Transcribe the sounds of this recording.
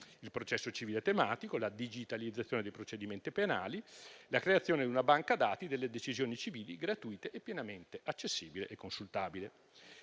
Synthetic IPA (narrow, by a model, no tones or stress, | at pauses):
ilpɾot͡ʃɛsːot͡ʃiviːlet̪ːemaːt̪ikolad̪id͡ʒit̪alid̪zat̪sːjoːned̪ejpɾot͡ʃed̪iment̪ipena̰ːlilakɾeat̪sːjoːned̪iunabaŋkad̪aːt̪id̪elːed̪et͡ʃizjoːnit͡ʃiviːliɡɾat̪uit̪eʔepːjenament̪eʔat͡ʃːesːiːbilḛʔekːonsult̪aːbile